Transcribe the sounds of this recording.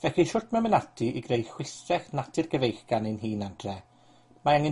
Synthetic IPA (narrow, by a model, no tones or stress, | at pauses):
vɛxiʃʊrtʰmɛmɛnatʰiʔiɡrejxwɪθrɛχnatʰɪrɡəvejxɡ̥anɪnɦiːnadrɛ | maaŋɪ